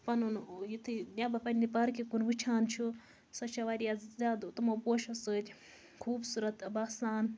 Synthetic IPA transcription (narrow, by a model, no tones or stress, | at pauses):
pɐnunjit̪ʰɨnʲabɐpɐnʲnipɐɾkikunʋɨt͡ʃʰaːnt͡ʃʰu | sɐt͡ʃʰɐʋaɾijazʲaːd̪t̪ɐmɐwpoːʃɐsəːt̪ʲ | kʰuːbsuɾɐt̪baːsaːn